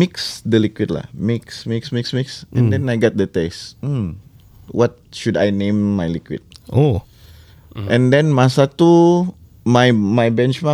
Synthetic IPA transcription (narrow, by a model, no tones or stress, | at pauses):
miksdəlikwit̚la̰hmiksmiksmiksmiksʔɛ̰̃ndɛ̃najɡɛt̪̚dət̪esm̩ | wʔɔt̪̚ʃuda̰jnẽmːajlikwḭt̪̚o | ʔɛ̃ndɛ̃nmasat̪u | majmajbɛ̃nt͡ʃma